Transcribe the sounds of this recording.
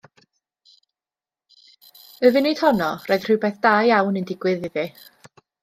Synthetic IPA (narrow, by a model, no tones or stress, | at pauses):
əvɨnid̥hɔnɔrɔɨð̥r̥ɨbeθd̥aːjawnɨndɪɡwɪðɪði